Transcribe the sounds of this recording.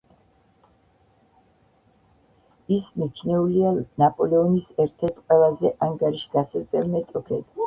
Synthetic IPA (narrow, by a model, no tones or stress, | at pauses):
isnit͡ʃʰnɛulianapʼɔlɛɔnisɛɾt̪ʰɛɾt̪ʰqʼwɛlazɛʔaŋɡaɾiʃɡasat̪sʼɛɾnɛt̪ʼɔkʰɛd̪